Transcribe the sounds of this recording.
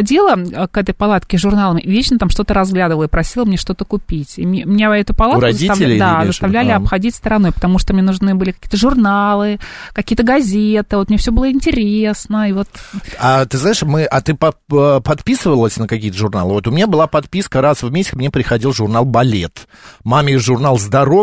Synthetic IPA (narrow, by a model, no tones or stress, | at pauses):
dʲilˠəkɛt̪̬əjpalˠat̪kʲɪʐʊrnalˠəmvʲet͡ɕnət̪amʂt̪ot̪əɾɐzɡlʲad̪ɨvəlˠəpɾɐsʲilˠəmnʲeʂt̪ot̪əkʊpʲitʲimʲmnʲeɛt̪ʊpɐlˠat̪̚ʊzəit̪ɐd̪azzəst̪ɐvlʲælʲɪɐpxɐdʲitʲst̪əɾɐno̞jpə̥t̪ɐmuʂt̪omnʲenʊʐnɨbɨlʲɪkɐkʲiːə̥t̪əʐʊrnalˠɨkɐkʲijət̪əɡɐzʲet̪ɨvot̪mnʲefsʲobɨlˠəɪnʲtʲɪɾʲesnəivo̞t̪at̪ɨznaɪʂmɨʔɐt̪ɨpɐpɐt̪pʲisɨvəlˠəsʲnəkɐkʲijət̪əʐʊrna̰lˠɨvot̪ʊmʲɪnʲabɨlˠapɐt̪pʲiskəɾasvmʲesʲtʲɪ̥xmnʲepɾʲɪxɐdʲilˠʐʊrnalˠbɐlʲḛt̪ | maməʐʊrnalˠzd̪ɐɾo